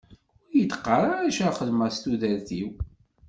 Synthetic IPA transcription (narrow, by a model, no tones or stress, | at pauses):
ʊɾjət̪qːəɾˤaɾaʃæχəðmæst̪uðəɾθiw